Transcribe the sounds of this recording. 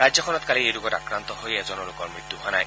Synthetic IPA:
ɹajzjɔkʰɔnɔtkaliejlʊɡɔta̰kɹant̪ɔhojɛzɔnɔlokɔɹmɹit̪ːuɦoanaj

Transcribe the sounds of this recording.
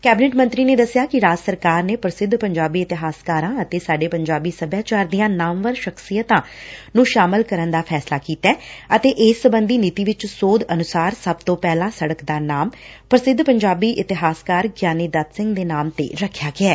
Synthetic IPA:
kɛːbɪneːʈmə̃nt̪ɾiːneːd̪əsɪjaːkɪɾaːd͡ʒsəɾkaːɾneːpɾəsɪd̪ʱpəɲd͡ʒaːbiːɪt̪ɪɦaːskaːɾãːət̪eːsaːɖeːpəɲd͡ʒaːbiːsəbjaːt͡ʃaːɾd̪ijãːnaːmʋəɾʃəksijət̪ãːnũːʃaːmɪlkəɾənd̪aːpʰɛːslaːkiːt̪ɛːət̪eːʔɪːsːəbənd̪iːniːt̪iːʋɪt͡ʃsoːd̪ənʊsaːɾsəb̚t̪õːpɛːlãːsəɽəkd̪aːnaːmpɾəsɪd̪ʱpəɲd͡ʒaːbiːʔɪt̪ɪɦaːskaːɾɡjaːniːd̪at̪sɪ̃ŋɡd̪eːnaːmt̪ḛːɾəkʰːjaːɡɪɛː

